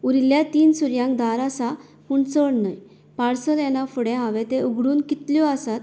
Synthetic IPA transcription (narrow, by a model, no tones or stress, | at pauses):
uɾiljat̪iːnsuɾjãŋkd̪aɾasa | puːɳt͡səɽnəj | paɽsəlɛnafuɽɛɦaʋet̪euɡɽuːnkit̪ljɔasat̪̚